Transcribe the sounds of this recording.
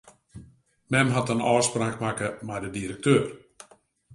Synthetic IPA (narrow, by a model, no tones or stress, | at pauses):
mɛmɦatənɔːspraːkmakəmɛjdədiɾək̚tøːr